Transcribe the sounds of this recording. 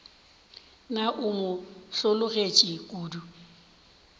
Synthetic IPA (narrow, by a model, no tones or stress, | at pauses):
naʔʊmʊsʊlʊɣet͡ʃʼɪkʼuːdu